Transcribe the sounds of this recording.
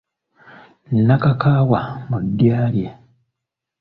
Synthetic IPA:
nnakakaːwamudːjaːlje

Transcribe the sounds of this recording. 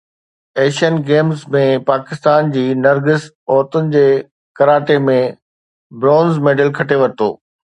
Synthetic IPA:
eːʃiənɡeːmzmẽpaːkɪst̪aːnd͡ʑiːnɐɾɡɪs | ɔːɾt̪ʊnɪ̆d͡ʑeː | kɐɾaːʈemẽ | bɾɔ̃ːnzmeːɖəlkʰɐʈeʋɐɾt̪o̰ː

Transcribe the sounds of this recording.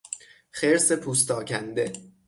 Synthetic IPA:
χeɾsepʰuːst̪ɒːcʰænd̪e̞

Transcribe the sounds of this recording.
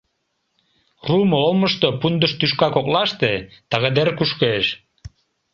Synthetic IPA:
rumoolməʃt̪opund̪əʃt̪yʃkɑkoklɑʃt̪et̪ɑɣed̪erkuʃkeʃ

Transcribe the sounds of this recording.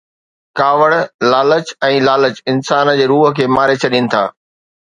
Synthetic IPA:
kaːʋəɽlaːlət͡ɕɛ̃ːlaːlət͡ɕɪnsaːnd͡ʑeːɾuːɦə̆kʰeːmaːɾet͡ɕʰɐɗinɪ̆t̪ʰa̰ː

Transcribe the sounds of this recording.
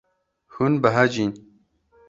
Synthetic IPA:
hunbəɦɐd͡ʒiːn

